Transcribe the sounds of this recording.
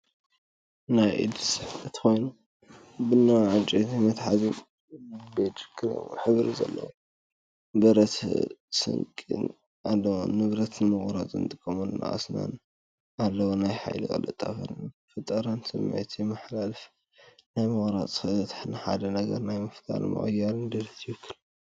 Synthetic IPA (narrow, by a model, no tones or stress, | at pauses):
najʔḭd̪sɨħɨt̪ʰxo̞jnu | bɨnːawʕɨt͡ʃʼit̪imɐt̪ħazi | bɐt͡ʃʼɨ̥kʰʼːɨɾo̰ħɨβɾizɐ̰lːɐ̰wo | bɐɾɐt̪sɨ̰ŋkʼḭn | alːɐwnɨβɾɐt̪nɨmɨɣɾat͡sʼɨ̰nt̪ʼɨkʼːɐmunna̰ʔʼa̰sna̰n | alːɐwonajħa̰jlɨkʼɐ̰lɐt̪ʼːa̰fɐ̰nfɨt̪ʼːɐɾansɨmːḛt̪ʰjmaħlalf | najmɨɣɾat͡sʼxɐt̪ɐt̪ħnħa̰d̪ɐnɐɡɐɾnajmɨft̪ʰa̰lmɐ̰χʼɨjːaɾɨnd̪ɐlɐt̪ʰiwɨkʰːɨl